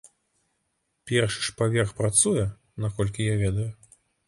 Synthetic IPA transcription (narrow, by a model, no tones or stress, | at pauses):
pʲɛrʂɨ̥ʂpavʲɛrxpɾat̪sujɛ | nakɔlʲk̬ʲijavʲɛd̪ɐju